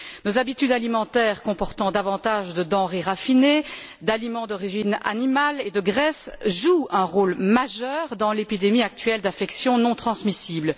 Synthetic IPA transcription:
nozabit̪yd̪alimɑ̃t̪ɛːʁkɔ̃pɔʁt̪ɑ̃d̪avɑ̃t̪aʒd̪əd̪ɑ̃ʁeʁafine | d̪alimɑ̃d̪ɔʁiʒina̰nimaled̪əɡʁɛsʒuɛ̃ʁoːlmaʒœːʁd̪ɑ̃lepid̪emiak̚t̪ɥɛld̪afɛksjɔ̃nɔ̃t̪χɑ̃smisiːbl

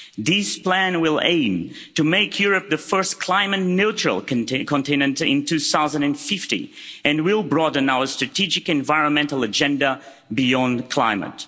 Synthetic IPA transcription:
ðɪspl̥æ̃nwɪlˠḛ̃ɪ̃m | tɨmeɪkʰjʊɹɨp̚ðɨfɜ˞skʰl̥ãɪ̃mɨtⁿnot͡ʃɹə̰l̩ˠkʰə̃ntʰɪ̃nɨ̃ntɪ̰̃ntʰʉθaʊzə̃ndɨ̃nfɪftḭɨ̃nwɪlˠbɹɔdə̃naʊə˞stɹ̥ɨtʰid͡ʒɨkɨ̃nvaɪɹə̃nmɛ̃ntl̩ˠəd͡ʒɛ̃ndə | bijɔ̃nkʰl̥ãɪ̃mə̰t

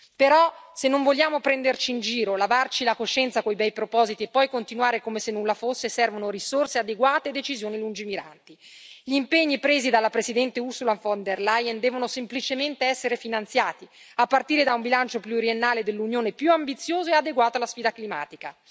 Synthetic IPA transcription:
peɾɔsenːoɱvoʎːaːmopɾɛnd̪ert͡ʃiːnd͡ʒiːɾolavart͡ʃilakoʃːɛnt̪sakojbɛjpɾopɔːzit̪iepːɔjkont̪inuaːɾekomesenːunlafosːesɛrvonoɾisorsead̪eɡwaːt̪ed̪et͡ʃizjoːnilund͡ʒimiɾa̰nt̪i | ʎiːmpeɲːipɾeːzid̪alːapɾezid̪ɛnt̪eusulaɱfond̪erlajend̪ɛːvonosemplit͡ʃement̪eɛsːeɾefinant̪sjaːt̪iapːart̪iːɾed̪aumbilant͡ʃopluoɾjenːaːled̪elːunjoːnepjuambit̪sjoːzoead̪eɡwaːt̪oalːasfiːd̪aklima̰ːt̪ika

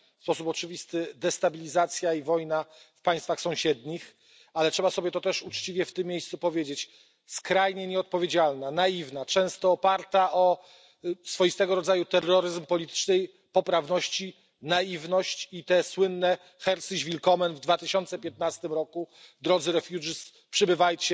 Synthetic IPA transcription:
fspɔsupɔt͡ʂɘvʲist̪ɘd̪ɛst̪abʲilʲizat̪sʲjaivɔjnafpaj̃st̪faxsɔ̃w̃ɕɛd̪ɲix | alɛtʂɛbasɔbʲjɛt̪ɔt̪ɛʂut͡ʂt͡ɕivʲjɛft̪ɘmʲːjejst̪supɔvʲjed͡ʑet͡ɕ | skɾajɲɛɲɛɔt̪̚pɔvʲjed͡ʑalnanaivnat͡ʂɛ̃w̃st̪ɔːpaɾt̪aʔɔ | sfɔjist̪ɛɡɔɾɔd̪zajut̪ɛrːɔɾɘzmpɔlʲit̪ɘ̥t͡ʂnɛj | pɔpɾavnɔɕt͡ɕi | naivnɔɕt͡ɕit̪ɛswɘnːɛ | xɛɾsiʑvʲilkɔmɛnvd̪vat̪ɘɕɔnt̪sɛpʲjɛt̪̚nast̪ɘmɾɔkud̪ɾɔd̪zɘɾɛfʲjuʐis | pʂɘbɘvajt͡ɕɛ

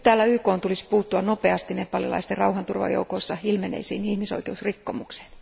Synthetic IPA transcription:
t̪æːlːæyːkoːnt̪ulispuːt̪ːuɑnopeɑst̪inepɑlilɑ̰ist̪erɑuhɑnt̪urʋɑ̰jo̰ukoisːɑilmenḛisḭːnihmiso̰ikeusrikːomukse̥

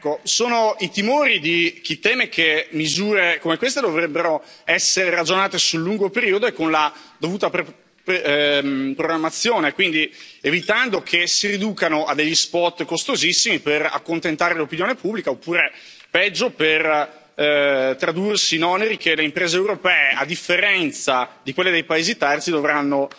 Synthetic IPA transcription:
ɛkːosoːnoit̪imoːɾid̪ik̟it̪ːɛːmek̟emizuːɾekomekwes̬t̪ed̪ovɾɛbːeɾo | ɛsːeɾeɾad͡ʒonaːt̪esulːuŋɡopeɾiːod̪oekːonlad̪ovuːt̪ap | pɾoɡɾamːat̪sːjoːnekwind̪ievit̪and̪okʰesiɾid̪uːkanoad̪ːeʎːispɔt̪ːkost̪ozisːimipera̰kːont̪ent̪aːɾelopinjoːnepubːlikaopːuːɾe | pɛd͡ʒːoper | t̪ɾad̪ursinɔneɾik̟eleimpɾeːzeːwɾopɛːeʔad̪ːifːeɾɛnt̪sad̪ikwelːed̪ejpaeːzit̪ɛrt̪sid̪ovɾanːo

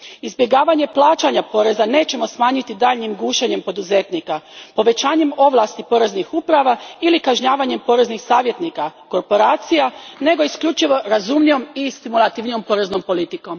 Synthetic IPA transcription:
izbjeɡaːʋaɲe̞plaːt͡ʃaɲapo̞ɾe̞zane̞ːt͡ɕe̞mo̞smaːɲit̪id̪aːʎɲimɡuːʃeɲe̞mpo̞d̪uze̞t̪nikapo̞ʋe̞t͡ɕaːɲe̞mo̞ʋlˠast̪ipo̞ɾe̞znixupɾaʋailikaʒɲaːʋaɲe̞mpo̞ɾe̞znixsaːʋje̞t̪nikako̞ɾpo̞ɾaːt̪sijane̞ɡo̞iskʎut͡ʃiʋo̞ɾazumnijo̞mist̪imulˠat̪iʋnijo̞mpoɾe̞zno̞mpo̞lit̪iko̞m

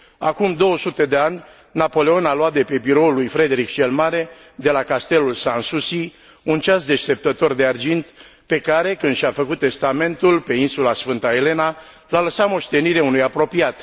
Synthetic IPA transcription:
akumd̪o̞wəsut̪e̞d̪e̞anʲ | napo̞le̞o̞naloat̪̚d̪e̞pe̞biɾo̞ulːujfɾe̞d̪e̞ɾikt͡ʃe̞lmaɾe̞ | d̪e̞lakast̪e̞lulsansusi | unt͡ʃasd̪e̞ʃt̪e̞p̚t̪ət̪o̞rd̪eard͡ʒint̪pe̞kaɾe̞kɨnd̪ʃiafəkut̪ːe̞st̪ame̞nt̪ulpe̞insulasfɨnt̪ae̞le̞na | laləsamo̞ʃt̪e̞niɾeunujapɾo̞piat̪

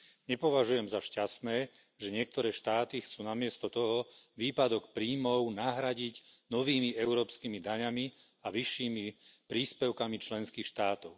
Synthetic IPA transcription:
ɲɛpɔʋaʒujɛmzaʃcasnɛː | ʒɛɲɪɛk̚t̪ɔɾɛːʃt̪aːt̪ixt͡suːnamɪɛst̪ɔt̪ɔɦɔʋiːpad̪ɔkpɾiːmɔʊnaɦɾaɟiɟnɔʋiːmiɛʊɾɔːpskiːmid̪aɲami | aʋiʃːiːmipɾiːspɛʊkamit͡ʃlɛnskiːxʃt̪aːt̪ɔʊ

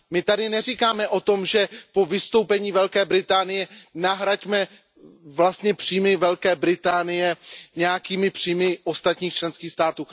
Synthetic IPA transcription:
mɪt̪adɪnɛrikaːmɛʔo̞t̪o̞mʒɛpo̞vɪst̪o̞wpɛɲiːvɛlkɛːbɾɪt̪aːnɪjɛnaɦɾacmɛ | vlast̪ɲɛpr̥iːmɪvɛlkɛːbɾɪt̪aːnɪjɛɲɛjakiːmɪpr̥iːmɪo̞st̪at̪ɲiːxt͡ʃlɛnskiːxst̪aːt̪uː

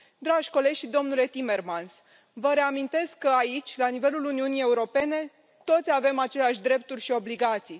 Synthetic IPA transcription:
d̪ɾaʒʲko̞le̞d͡ʒʲʃid̪o̞mnule̞t̪ime̞rmans | vəɾe̞amint̪e̞skːəait͡ʃʲlanive̞luluniunije̞uɾo̞pe̞ne̞ | t̪o̞t̪sʲave̞mat͡ʃe̞leaʃ̬ʲd̪ɾe̞p̚t̪urʲʃio̞bliɡat̪sij

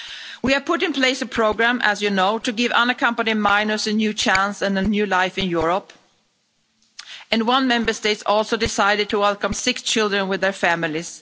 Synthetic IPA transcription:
wiə˞pʰʊɾɨ̃npʰl̥eɪsəpʰɹ̥oʊɡɹæ̃mʔə̰zjɨnoʊtɨɡɪvʌ̰̃nəkʰʌ̃mpənimãɪ̃nɨsɨnjʉt͡ʃʰæ̃nsɨ̃nənjʉlaɪfɨ̃njʊɹəp | ɨ̃nwʌ̃nmɛ̃mbə˞steɪtsɔlˠsoʊdɪsaɪɾɨd̚tʰəwɛlˠkʌ̃msɪkst͡ʃʰɪlˠdɹə̃nwɨðə˞fæmɪlˠiz̥

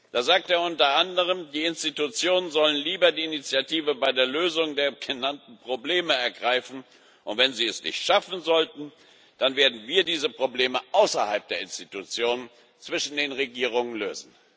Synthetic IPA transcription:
d̥aːzaːk̚teːɐʊntɐʔandəʁ̞əmdiːɪnstitut͡sjoːnənzɔlənliːbɐdiːnit͡sjatʰiːvəbaɪdeːɐløːzʊŋdeːɐɡənantn̩pʁ̥obleːməɛɐɡʁaɪfn̩ | ʔʊntv̥ɛnziːɛsnɪ̰çtʃafn̩zɔltn̩ | d̥anveːɐdn̩viːɐdiːzəpʁ̥obleːməʔaʊsɐha̰lp̚d̥eːɐɪnstitut͡sjoːnən | t͡sv̥ɪʃn̩deːnʁeɡiːʁ̞ʊŋənlø̰ːzn̩

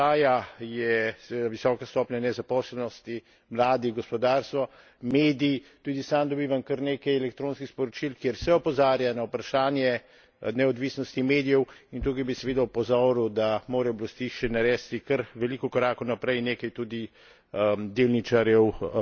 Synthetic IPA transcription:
aːjajɛsɛʋed̪aʋisɔːkast̪ɔːpnʲjanɛzapɔːslɛnɔst̪i | mlaːd̪iɡɔspɔd̪aːɾst̪ʋɔ | meːd̪iːt̪ud̪isamd̪ɔbiːʋamkəɾneːkɛjɛlɛk̚t̪ɾoːnskixspɔɾɔt͡ʃilkjeɾsɛɔpɔzaːɾjanaupɾaʃaːnjɛ | nɛɔd̪ʋiːsnɔst̪imeːd̪ijɛwint̪ukajbisɛʋeːd̪aupɔzɔːɾud̪amoːɾɛjɔblast̪iʃɛnɛɾɛːst̪ikəɾʋɛliːkɔkɔɾaːkɔwnapɾɛjneːkɐjt̪uːd̪i | d̪eːlnit͡ʃaɾjɛw

